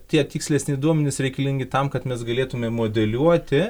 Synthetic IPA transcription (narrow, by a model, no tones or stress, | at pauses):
t̪ʲiɛt̪ʲiːksʲlʲɛsʲnʲɪd̪uɔmʲɛnʲɪsɾʲɛɪkɐlʲɪŋʲɡʲɪt̪ɐmkɐt̪mʲɛsɡɐlʲeːt̪ʊmʲɛmoːd̪ʲɛlʲuɔt̪ʲɪ